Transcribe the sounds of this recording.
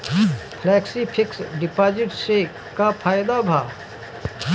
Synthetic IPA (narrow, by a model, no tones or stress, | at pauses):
pʰlɛːksipʰɪksɖɪpaːd͡ʒɪʈse | kapʰaːjd̪abʱaː